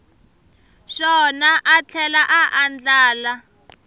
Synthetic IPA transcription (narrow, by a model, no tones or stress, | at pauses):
ʃɔnaʔat͡ɬʰɛlaʔaʔand͡ɮaːla